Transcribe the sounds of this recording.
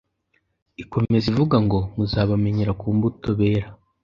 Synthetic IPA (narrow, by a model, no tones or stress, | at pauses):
iko̞me̞zivuɡaŋɡo̞muzaːβame̞ɲeɾakuːmbuto̞βeːɾa